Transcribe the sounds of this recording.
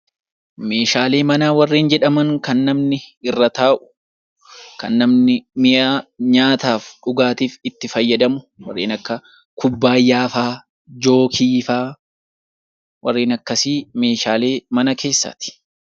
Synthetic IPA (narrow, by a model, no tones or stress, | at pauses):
me̞ːʃaːle̞ːmɐnaːwɐrːiːnd͡ʒɛᶑɐmɐŋkɐnːɐmnɪɪrːɐt̪aːʔʊ̥ | kɐ̰nːɐmnɪmɪjaːɲaːt̪aːfᶑʊɡaːt̪iːfɪt̪ːɪfɐjːɐd̪ɐmʊ | wɐ̰rːḛːnɐkːɐ | kʊbːaːjːaːfaː | d͡ʒo̞ːkʰiːfaː | wɐrːeːnɐkːɐsiːme̞ːʃaːle̞ːmɐnɐkʰe̞ːsːa̰t̪ɪ̥